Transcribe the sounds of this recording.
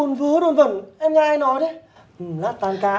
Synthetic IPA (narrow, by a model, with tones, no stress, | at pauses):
o˨˩nvɨ˨˦əɗo˧˩˨nvə˧˩mʔɛ˧mɲa˧jnɔ˨˦jɗə˨˦ | ʔ̩˨˩la̰ː˧˥t̪aː˨˩nkaː˨˦